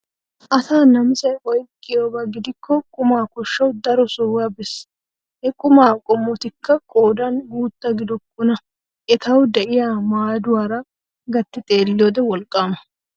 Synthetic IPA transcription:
ʔɐsaːnɐmsɐjʔɔjkʼːɪjoːbɐɡɪd̪ɪkʰːɔkʼʊmaːkɔʃːɐwd̪ɐɾɔsɔwɐbɪs | hɛkʼʊmaːkʼʊmːɔt̪ɪkʰːɐkʼoːd̪ɐnɡuːt̪ːɐɡɪd̪ɔkːʊnɐ | ʔɛt̪ɐwd̪ɛʔɪjaːmaːd̪ʊwaːɾɐ | ɡɐt̪ːɪt̪ʼe̞ːlːjoːd̪ɛwɔlkʼːaːmɐ

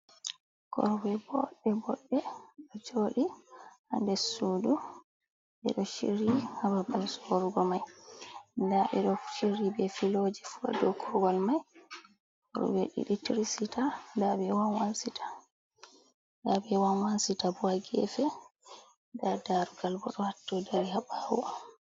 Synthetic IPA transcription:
kʰɔ̰ɾwɛbɔɗːɛbɔɗːɛɗɔd͡ʒoːɗiha̰ndɛsuːdu | ɓɛ̰ɗɔʃḭɾihababalsɔɾuɡɔmaj | ndaʔɛ̰ɗɔʃiɾibɛfilod͡ʒɛfua̰dɔkʰɔɡɔlmaj | hɔɾṵbɛ̰ɗḭɗitiɾisitandabɛwanwansitḁ | ndabɛwanwansitabuaɡɛ̰fɛ | dadaɾuɡalbɔɗɔhatːɔdaɾihabawɔ̰

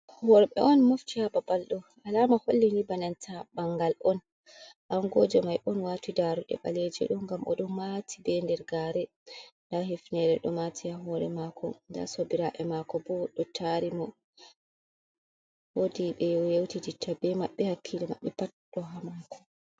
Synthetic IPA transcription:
hɔɾɛɓɛʔɔnmoftihababalɗɔ | alaːmaholːinibanantʰabaŋɡalɔn | ʔaŋɡɔd͡ʒɛmajʔɔnwaːtidaɾuɗɛ̰ɓa̰led͡ʒɛ̰ɗɔɡamʔɔ̰ɗɔmatʰibɛndɛɾɡaɾɛ | ndahifnɛɾɛɗɔmatʰiaɦɔɾɛ̰makʰɔ̰nda̰sobiɾaʔɛmakɔbɔɗɔtʰaɾimɔ | wodiɓɛjjewtiditʰːabɛmaɓːɛhakʰːilima̰ɓːɛpatɗɔɦamakʰɔ̥

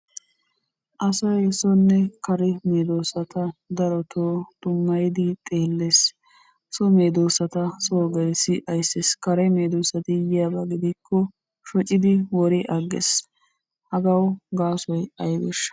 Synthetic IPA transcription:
ʔɐsɐjsɔnːɛkɐɾɛmeːd̪oːsɐt̪ɐd̪ɐɾɔt̪ʰoːt̪ʼʊmːɐjd̪ɪt̪ʼeːlːeːs | sɔmeːd̪oːsɐt̪ɐsoːɡɐɾsɪʔɐjsːeskɐɾɛmeːd̪oːsɐt̪ɪjɪjɐbɐɡɪd̪ɪkʰːɔ | ʃɔt͡ʃʼːɪd̪ɪwɔɾɪʔɐɡːɛ̰s | hɐɡɐwɡaːsɔjɐjbɛ̰ʃ

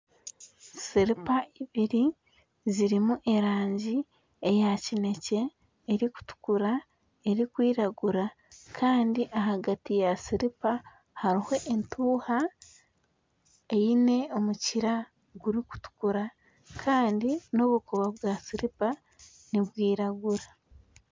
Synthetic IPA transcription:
siɾipaiβiɾi | ziɾimuʔe̞ɾaːɲɟi | ejacine̞ce̞ː | ɾiku̥tu̥kuɾa | e̞ɾikwiːɾaɡuɾa | kʰaːndiʔaɦaɡatijasiɾipa | haɾiho̞ʔentʰuːha | ejine̞o̞muciɾa | ɡuɾiku̥tu̥kuɾa | kʰaːndino̞βukoβaβwasiɾipa | niβwiːɾaɡuɾa

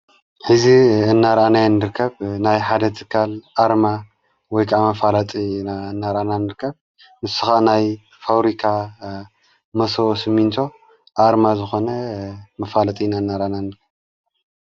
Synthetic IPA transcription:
ħɨziɨnːaɾanajnːɨɾkʰːɐβnajħad̪ɐt̪ʰɨkʰːalʔaɾma | wɔjkʰaʔamɐfalat̪ʼinaɨnːaɾʔananɨɾkʰːɐβ | mɨsɨ̥xanaj | fawɾikʰa | mɐsoosɨmːint̪ʰo̞ | ʔaɾmazɨxo̞nɐmɐfalat̪ʼinaɨnːaɾananɨɾkʰːɐβ

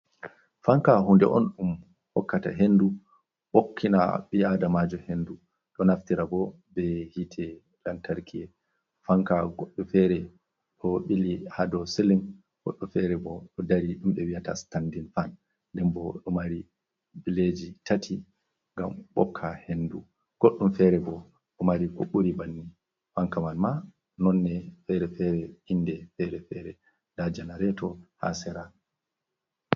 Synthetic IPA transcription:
faŋkahundɛ̰ʔɔnɗum | hɔkːata̰ɦendu | ɓokʰːina̰ɓiadamad͡ʒɔhendu | ɗɔnaftiɾabɔ | bɛhitʰɛ | lantaɾkʰiɛ | faŋkaɡoɗːufɛɾɛ | ɗɔɓilihadɔsiliŋ | ɡoɗːufɛɾɛbɔɗɔdaɾiɗumɓɛwijatastandinfan | dɛmbɔɗɔmaɾi | biled͡ʒitatʰi | ŋɡambɔ̰kʰːahendu | ɡ̥oɗːumfɛɾɛbɔ | ɗɔmaɾikoɓuɾibanːi | faŋkamanma | nɔnːɛfɛɾɛfɛɾɛindɛfɛɾɛfɛɾɛ | dad͡ʒanaɾɛtɔha̰sɛɾa

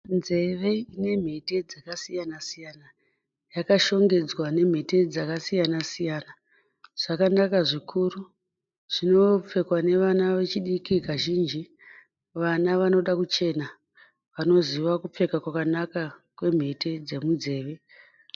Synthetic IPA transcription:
nze̞ʋe̞ine̞m̤e̞te̞d͡zakasijanasijana | jakaʃo̞ŋɡe̞d͡zwane̞m̤e̞ted͡zakasijanasijana | ʐ̥akanakaʐikʰuɾu | ʐ̥ino̞p͡fe̞kwane̞ʋanaʋe̞t͡ʃiɗikikaʒiːnd͡ʒi | ʋanaʋano̞ɗakut͡ʃe̞na | ʋano̞ziʋakup͡fe̞kakwakanakakwe̞m̤e̞te̞d͡ze̞mund͡ze̞ːʋe̞

